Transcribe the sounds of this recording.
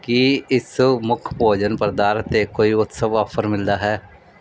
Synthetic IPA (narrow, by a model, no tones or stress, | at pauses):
kɪɪsmʊkʰpoːd͡ʒənpəɾd̪aːɾət̪eːkoːiːʊt̪səʋɔpʰəɾmɪld̪aːɦɛː